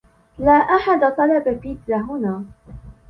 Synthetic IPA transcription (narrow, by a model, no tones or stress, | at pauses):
laːʔaħad̪at̪ˤɑlababɪd̪ːaɦʊnaː